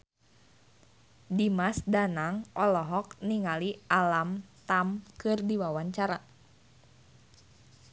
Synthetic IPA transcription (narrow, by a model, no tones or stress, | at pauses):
dimasdanaŋʔɔlɔɦɔk̚niŋalialamt̪amkɨrdiwawaɲt͡ʃaɾa